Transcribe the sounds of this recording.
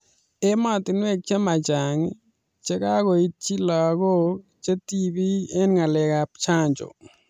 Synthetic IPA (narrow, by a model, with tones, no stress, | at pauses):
emat̪in˦e˦k̚t͡ʃʰe˦ma˨t͡ʃaŋ | t͡ʃe˦kaːɡo˨itt͡ʃʰi˦la˨ɡo | t͡ʃe˦t̪ibi˦e˦nŋa˨le˨ɡapt͡ʃʰaː˦nt͡ʃo̰˨